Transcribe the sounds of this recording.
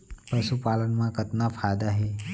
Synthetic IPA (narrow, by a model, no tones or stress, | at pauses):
pəsupaːlənmãkət̪napʰajd̪aɦe